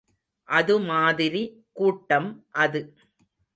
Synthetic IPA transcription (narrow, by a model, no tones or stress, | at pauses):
ʔɐðɯmaːðɪɾi | kuːʈːɐmʔɐðɯ